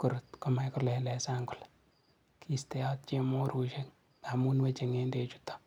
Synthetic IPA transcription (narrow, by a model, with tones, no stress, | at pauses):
kʊ˨ɾʊtkɔma˨jkʊlɛlɛ˨saŋkʊ˨l | kʰistɛ˦jɔ˦t̚t͡ʃe˦mo˦ɾu˨ʃe˦ŋ | tamu˦nwet͡ʃe˨ŋe˦nde˨t͡ʃu̥tːɔ̥